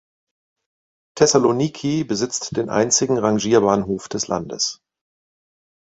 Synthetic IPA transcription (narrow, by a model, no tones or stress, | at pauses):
tʰɛsalonikʰibəzɪt͡std̥eːnʔa̰ɪnt͡sɪɡŋ̩ʁaŋʒiːɐbaːnɦoːfd̥ɛslʔa̰ndə̰s